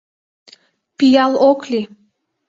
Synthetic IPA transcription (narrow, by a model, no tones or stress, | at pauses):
pijɑlˠokli